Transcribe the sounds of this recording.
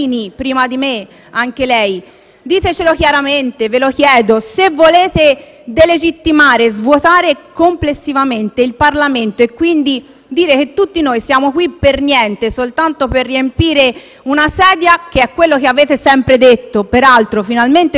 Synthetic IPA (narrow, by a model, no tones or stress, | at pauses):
nipɾiːmad̪ime | aŋkelɛj | d̪iːt̪et͡ʃelokjaɾament̪evelokjɛːd̪osevːoleːt̪e | d̪eled͡ʒit̪ːimaːɾezvwot̪aːɾekomplesːivament̪eilparlament̪oekːwind̪i | d̪iːɾek̟et̪ːut̪ːinoːjsjaːmokwipːernjɛnt̪esolt̪ant̪operːiempiːɾe | unasɛːd̪jakeɛkːwelːok̟eaveːt̪esɛmpɾed̪et̪ːopeɾalt̪ɾofinalment̪e